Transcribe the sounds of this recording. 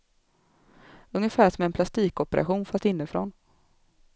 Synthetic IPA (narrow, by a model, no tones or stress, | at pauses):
ɵŋːəfæːʂɔmɛnpʰlast̪iːkɔpɛɾʔa̰ɧuːnfast̪ɪnːəfɾɔ̰n